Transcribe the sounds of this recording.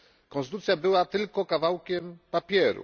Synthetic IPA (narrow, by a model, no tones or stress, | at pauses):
kɔ̃ñst̪ut̪sʲjabɘwat̪ɘlkɔkavawkʲɛmpapʲjɛɾṵ